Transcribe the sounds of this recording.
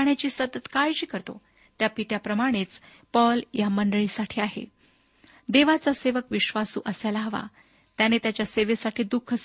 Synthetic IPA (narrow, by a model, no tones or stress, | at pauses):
ɳjat͡ɕiːsət̪ət̪kajɕiːkəɾt̪o̰ | t̪japit̪japɾəmaɽ̃et͡s | pɔljaməɳɖəɭiːsaʈʰiːaɦḛ | d̪eʋat͡saseʋəkʋiɕʋasṵːʔəsjalaɦəʋa̰ | t̪janet̪jat͡ɕjaseʋesaʈʰiːd̪ukʰəs